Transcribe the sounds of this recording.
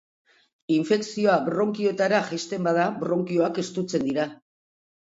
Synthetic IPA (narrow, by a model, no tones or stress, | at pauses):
iɱfe̞ksio̞abɾo̞ŋkio̞et̪aɾaʝest̪e̞mbað̞abɾo̞ŋkio̞ake̞st̪ut͡se̞nd̪iɾa